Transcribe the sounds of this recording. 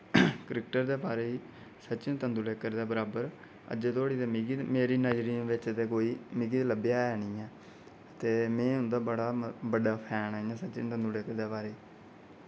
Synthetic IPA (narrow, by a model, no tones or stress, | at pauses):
kəɾɪk̚ʈəɾd̪eːbaːɾeːiː | sətːt͡ʃɪnt̪ənd̪uːleːkəɾd̪aːbəɾaːbəɾ | ə̰d͡ʒeːt̪oːɽiːd̪eːmɡimeːɾiːnəd͡ʒɾĩːʋɪt͡ʃt̪eːkoːiːmɪɡiːt̪ləbjaːɛːnĩːɛ̃ː | ət̪eːmɛ̃ːʊ̃nd̪aːbəɽaːbəɖaːpʰɛːnaːijãːsət͡ʃɪ̰nt̪ənd̪uːleːkəɾd̪eːbaːɾeːiː